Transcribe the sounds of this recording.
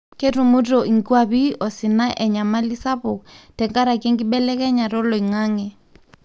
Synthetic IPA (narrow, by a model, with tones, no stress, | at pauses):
kʼe˦tu˨mu˦tʼɔ˨ŋ˨ki˦wa˨βi˦ʔɔ˨si˨na˦ʔɛ˨ɲa˨ma˦li˦sa˦βɔ˨tɛ˨ŋka˦ɾa˨kʼe˦ŋɡi˦ɓɛ˦lɛ˦kɛ˦ɲa˨ɾɔ˦lɔ˨i˨ŋaː˦ŋɛ˨